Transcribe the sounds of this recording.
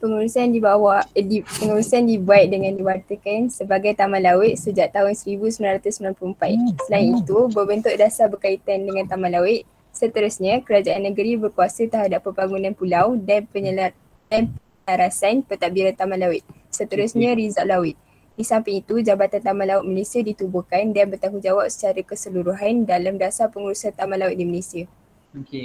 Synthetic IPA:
pəŋuɾusandibawadipəŋuɾusandibuat̪̚dəŋãndiwart̪əkansəbaɡajt̪amãlawət̪̚səd͡ʒaʔ̚t̪aʊnsəɾibusəmilanɾat̪ʊsəmilanpluəmpasəlainit̪ubəbənt̪ʊʔ̚dasabərkait̪andəŋãnt̪amãlawɪʔ̪̚ | sət̪əɾʊsɲãkəɾad͡ʒaʔanːəɡəɾibərkuasət̪əɦadapːəbaŋɡunãnpulawdaə | danpəɲaɾasanpət̪aʔbiɾant̪amãlawɪt̪̚ | sət̪əɾʊsɲãɾizaʔlawɪt̪̚ | disampɪŋit̪ud͡ʒabat̪ant̪amãlawʊt̪̚malesiadit̪ubukandanbərt̪aŋud͡ʒawap̚sə̥t͡ʃaɾakəsəluɾuɦandalamdasapəŋuɾusant̪amãlawɪt̪̚diməlesia

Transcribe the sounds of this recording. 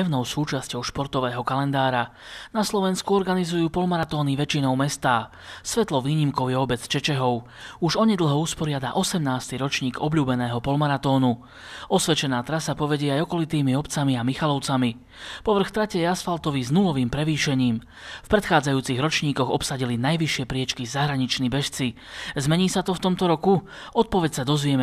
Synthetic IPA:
ɛʊnɔʊsuːt͡ʃascɔʊʃpɔɾt̪ɔʋɛːɦɔkalɛnd̪aːɾanaslɔʋɛnskuɔɾɡanizujuːpɔlmaɾat̪ɔːniʋɛt͡ʃinɔʊmɛst̪aː | sʋɛt̪lɔʋiːɲimkɔʊjɛɔbɛt͡st͡ʃɛt͡ʃɛɦɔʊ | uʒɔɲɛd̪l̩ɦɔuspɔɾɪad̪aʔɔsɛmnaːst̪iɾɔt͡ʃɲiːɡɔbʎuːbɛnɛːɦɔpɔlmaɾat̪ɔːnu | ɔsʋɛt͡ʃɛnaːt̪ɾasapɔʋɛɟɪɛajɔkɔlit̪iːmiɔpt͡samiamixalɔʊt͡sami | pɔʋr̩xt̪ɾacɛjasfalt̪ɔʋiznulɔʋiːmpɾɛʋiːʃɛɲiːm | fpɾɛt̪xaːd͡zajuːt͡siɣɾɔt͡ʃɲiːkɔɣɔpsaɟilinajʋiʃɪɛpɾɪɛt͡ʃkizaɦɾaɲit͡ʃnibɛʃt͡si | zmɛɲiːsat̪ɔft̪ɔmt̪ɔɾɔku | ɔt̪̚pɔʋɛcsad̪ɔzʋɪɛmɛ

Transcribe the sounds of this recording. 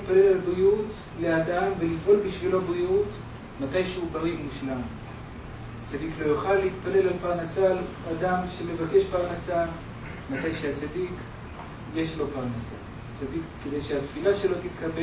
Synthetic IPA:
tpale̞lalbʁiut | le̞adamve̞lifʔo̞lbiʃvilo̞bʁijut | matajʃeubaʁimuʃlam | at͡sadiklo̞juχalːeit̪pale̞lalpaʁnasal | adamʃeme̞vake̞ʃpaʁnasal | matajʃeat͡sadik | je̞ʃlo̞paʁnasa̰ | at͡sadikkedejʃeat̪filaʃe̞lo̞t̪itkabe

